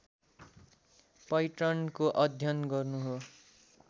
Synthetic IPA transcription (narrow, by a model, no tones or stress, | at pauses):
pʌjʈʌnkoʔʌd̪ʱjʌnɡʌrnuɦo